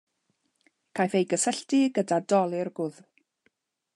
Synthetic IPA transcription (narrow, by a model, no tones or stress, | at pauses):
kʰajθejɡəsəɬtiɡədadɔlˠɪrɡʊð